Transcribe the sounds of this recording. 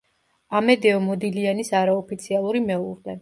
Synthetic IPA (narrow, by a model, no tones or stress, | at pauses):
amɛd̪ɛɔmɔd̪ilianisaɾaɔpʰit̪sʰialˠuɾimɛuɾd̪ɛ